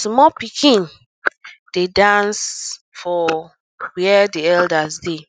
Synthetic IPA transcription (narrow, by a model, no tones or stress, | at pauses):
smɔpikʰĩn | d̥edãns | fɔ | wɛɛdiɛldasde